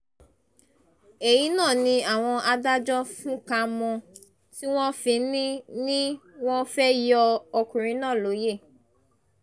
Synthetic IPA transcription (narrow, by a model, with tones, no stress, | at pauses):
e˨ji˨˦nãː˦˨nĩ˧a˨w̃ɔ̃˧ʔa˧da˦d͡ʒɔ˦fũ˦ka˧mɔ̃˧ | ti˦w̃ɔ̃˦fĩ˧˦nĩ˦nĩ˦w̃ɔ̃˦fɛ˦jɔ˧ɔ˧kũ˨ɾĩ˧˦nã˦˨lo˨˦je˦˨